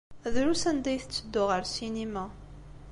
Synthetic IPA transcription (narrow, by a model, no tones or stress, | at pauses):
ðɾusænd̪æjθət͡sːəd̪ːʊʁəɾsinemæ